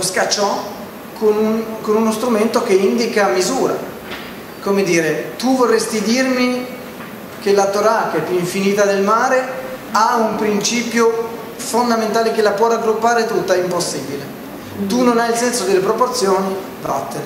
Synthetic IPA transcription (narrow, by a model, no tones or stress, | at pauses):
oskat͡ʃːɔ | kʰonunkonunost̪ɾument̪okeind̪ikamizuːɾa̰ | komed̪iːɾet̪uvorːest̪id̪irmi | k̟elat̪oɾak̟eɛpːjuiɱfinit̪ad̪elmaːɾe | aumpɾint͡ʃiːpjo | fond̪ament̪aːlek̟elapwɔraɡɾupːaːɾet̪ut̪ːaɛimposːiːbile | t̪unːonailsɛnsod̪elːepɾoport̪sjoːni | fɾɔ̰t̪ːe